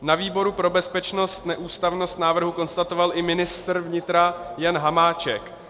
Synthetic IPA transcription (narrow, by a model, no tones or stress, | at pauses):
naviːbo̞ɾupɾo̞bɛspɛt͡ʃno̞st̪nɛʔuːst̪avno̞st̪naːvr̩ɦuko̞nst̪at̪o̞valʔɪmɪnɪst̪r̩vɲɪt̪ɾajanɦamaːt͡ʃɛk